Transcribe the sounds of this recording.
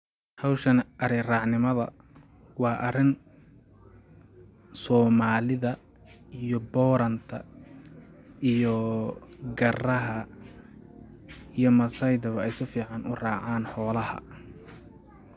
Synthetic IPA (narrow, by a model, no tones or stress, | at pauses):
hɑwʃɐnɐɾɪrɑːʕnɪmɐðɐ̰ | wɑːʔɐɾɪn | sɔːmaːlɪðɐ | ijɔbɔːɾɐnt̪ʰɐ̰ | ijɔ | ɡɐrɐɦɐ | ijɔmɐsɐjd̪ɐβɐɛjsɪfiːʕɑnʔʊrɑːʕaːnħɔːlɐhɐ̰